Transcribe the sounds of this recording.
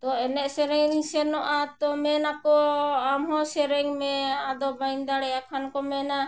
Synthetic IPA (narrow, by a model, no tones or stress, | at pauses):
t̪ɔɛnɛʔsɛɾɛŋnisɛnɔʔat̪ɔmɛnakɔamɦɔsɛɾɛŋmɛad̪ɔbajnd̪aɽɛjakʰankɔmɛna